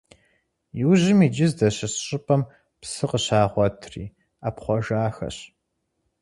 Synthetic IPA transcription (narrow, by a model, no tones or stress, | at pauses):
jɪwʑɪmiːd͡ʒɪzdɐɕɐsɕʼɪpʰʼɐm | psɨqəɕaːʁʷɔtʰrḭː | aːpχʷɔʒaːxɐ̰ɕ